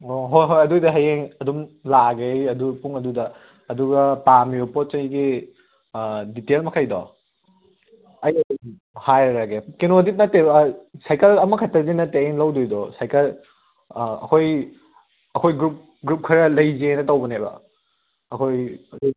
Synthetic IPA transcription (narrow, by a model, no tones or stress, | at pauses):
oɦojɦojɐdujdɐɦɐjeŋɐdumlaɡejɐdupuŋɐdudɐː | duɡɐpamiopot̚t͡ʃɐjɡi | ditelmɐkʰajdɔ̰ | ɐjɐdum | hajɾɐɾaɡekenodit̚nɐtːesajkɐlɐmɐkʰɐtːɐzinɐtːeeŋlɐwdujdɔsajkɐl | ɐ̰kʰoj | ɐkʰojɡɾup̚ | ɡɾup̚kʰɐɾɐlɐjzeejnɐtɐwbɐnebɐ̰ | ɐkʰojɐkʰ